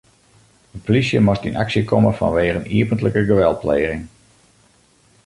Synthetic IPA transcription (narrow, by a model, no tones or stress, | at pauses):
ənpolisjəmɔstina̰ksjəkʰɔməfɑ̰nʋeːɣəniəpəntləkəɡəʋɛl̚ˠpleːɣɪŋ